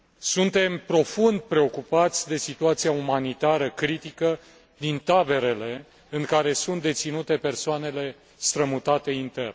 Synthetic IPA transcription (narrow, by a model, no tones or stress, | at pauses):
sunt̪e̞mpɾo̞fund̪̚pɾe̞o̞kupat̪sʲd̪e̞sit̪uat̪sijaumanit̪aɾəkɾit̪ikə | d̪int̪abe̞ɾe̞le̞ | ɨŋkaɾe̞sunt̪̚d̪e̞t̪sinut̪e̞pe̞rsoane̞le̞ | st̪ɾəmut̪at̪e̞int̪e̞rn